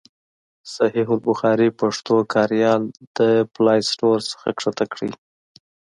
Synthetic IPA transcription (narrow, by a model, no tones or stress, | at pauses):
sahiɦʊlbʊxɑɾipaʂt̪okʰɑɾjɑld̪̥əplɑjsʈoɾsə̥xakʂat̪akɽi